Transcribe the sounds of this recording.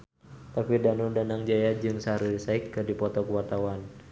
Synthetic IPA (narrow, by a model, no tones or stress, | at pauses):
t̪apidanudanaŋd͡ʒajad͡ʒɨŋsaɾiisaikːɨrdipɔt̪ɔkuwart̪awan